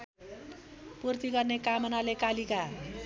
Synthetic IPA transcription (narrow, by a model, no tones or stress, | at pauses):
purt̪iɡʌrnekamʌnalekalika